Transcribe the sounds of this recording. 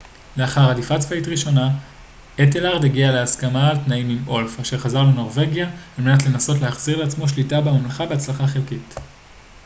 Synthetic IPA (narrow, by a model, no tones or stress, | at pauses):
le̞aχaʁhadifat͡sfaitʁiʃo̞na | etelaʁd̪eɡialeaskamaltnaimimo̞lfaʃe̞ʁχazaʁle̞no̞ʁve̞ɡjaːlmenatle̞naso̞tlehaχz̥iʁleat͡smo̞ʃlitabemamlaχabeat͡slaχaχelkit